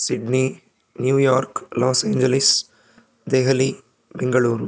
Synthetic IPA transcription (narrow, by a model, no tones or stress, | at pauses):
siɖni | njuːjaːɾklaːseːɲd͡ʒɐlis | d̪eːɦɐli | bɛŋɡɐɭuːɾu